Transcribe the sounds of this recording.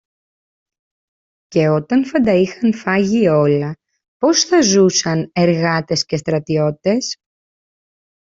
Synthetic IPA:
ce̞o̞t̪ɐnfɐnd̪ɐixɐnfɐʝio̞lɐ | po̞sθɐzusɐne̞ɾɣɐt̪e̞sce̞st̪ɾɐt̪io̞t̪it̪e̞s

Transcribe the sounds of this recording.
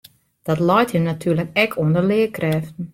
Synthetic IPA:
d̥ɔtlɔjthinatʰyːləkɛkʰuəndərlɪːəkrɛːftn̩

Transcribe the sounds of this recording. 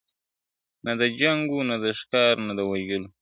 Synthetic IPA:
nad̪əd͡ʒaŋɡunad̪əʃkɑɾnad̪əwaʒəlu

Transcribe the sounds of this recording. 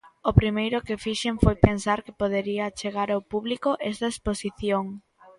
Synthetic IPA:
opɾimejɾʊkɪfiʃeɱfojpensaɾke̥poðeɾiɐt͡ʃeɣaɾawpuβlikoʔɛst̪ɐesposiθjoŋ

